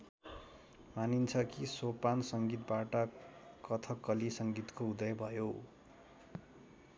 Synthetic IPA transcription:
manint͡sʰʌkisopansʌŋɡit̪̚baʈʌkʌt̪ʰʌkʌlisʌŋɡit̪koud̪ʌjbʱʌjo

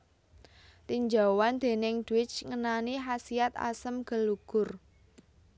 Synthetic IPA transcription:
t̪iɲd͡ʒa̤wand̪̥e̤nɪŋd̪̥uwɪt͡ʃŋənaniɦasiat̪a̰səmɡ̥ə̤lːuɡ̥ʊr

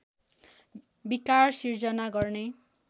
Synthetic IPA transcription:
bikarsird͡zʌnaɡʌrne

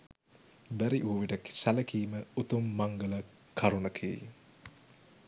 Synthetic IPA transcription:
bæɾiʔuʋʋiʈəksæləkiːməut̪umːaŋɡələ | kʰaɾunəkʰḭː

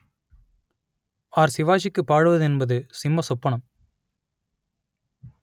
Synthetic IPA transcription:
aːɾsɪʋaːʂ̬ɪkːɯpːaːɽɯʋɐðɯɛnbɐðɯsɪmbɐsɔpːɐɳɐm

